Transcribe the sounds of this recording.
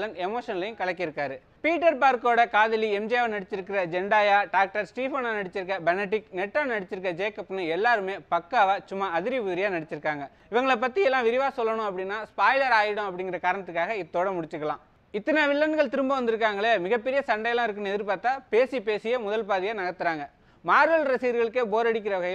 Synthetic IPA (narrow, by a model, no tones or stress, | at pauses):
lɐɳɖɛmoːʂɐnɐlɐjʊ̃kɐɭɐkːɪɾɯkːaːɾɯ | piːʈːɐɾpaːɾkoːɽɐkaːðɐliɛmd͡ʒijaːʋnɐɽɪt͡ʃːɪɾɯkːɪɾɐd͡ʒɛɳɖaːjaːɖaːk̚ʈɐɾsʈiːfoːnaːnɐɽɪt͡ʃːɪɾɯk̬ːɐbɐnɛʈ̬ːɪknɛʈːaːnɐɽɪt͡ʃːɪɾɯkːɐd͡ʒeːkɐpːnɯɛlːaːɾɯmeːpɐkːaːʋaːt͡ʃʊmːaɐðɪɾiʋʊðɾɪjaːnɐɽɪt͡ʃːɪɾɯkːaːŋɡɐ | ɪʋɐŋɡɐɭɐp̬ːɐt̪ːiɛlːãːʋɪɾɪʋaːsɔlːɐɳʊ̃ɐpːɐɽɪnːaːspaːjlɐɾaːjɪɽʊ̃ɐpːɐɽɪŋɡɪɾɐkaːɾɐnɐt̪ːɯkːaːɣɐɪt̪ːoːɽɐmʊɽɪt͡ʃːɯkːɐɭã̰ː | ɪt̪ːɐnaʋɪɭːɐnɯɣɐɭt̪ɪɾɯmbɐ̃ʋɐnd̪ɯɾɯk̬ːaːŋɡɐɭeːmɪɣɐpːɛɾɪjɐsɐɳɖɐjlãːɪɾɯkːɯɳɐɛðɪɾpaːt̪ːaːpeːsipeːsɪjɐmʊðɐlpaːðɪjaːnɐɣɐt̪ːɯɾaːŋɡɐ | maːɾɯʋɐlɾɐsiːɾɣɐɭɯkːeːboːɾɐɽɪk̬ʲːɪɾɐʋɪɣɐjɪ